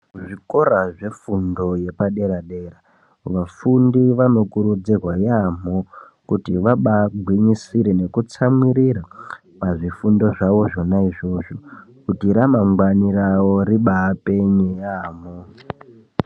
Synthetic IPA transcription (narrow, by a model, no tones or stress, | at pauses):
ʐiko̞ɾaʐe̞fundo̞je̞paɗe̞ɾaɗe̞ra | ʋafundiʋano̞kuɾud͡zirwajam̤o | kutiʋaɓaɡʱwiɲisiɾe̞ne̞kut͡samwiɾiɾa | paʐifundo̞ʐaʋo̞ʐo̞naiʐo̞ːʐokutiɾamaŋɡwanirawo̞ɾiɓaːpe̞ɲejaːmo